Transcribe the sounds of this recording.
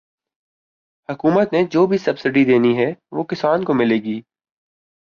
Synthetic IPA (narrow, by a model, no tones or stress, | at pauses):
hɐkuːmət̪ned͡ʒoːbʱisɐbsɪɖid̪eːniɦɛʋoːkɪsaːnkomɪleːɡiː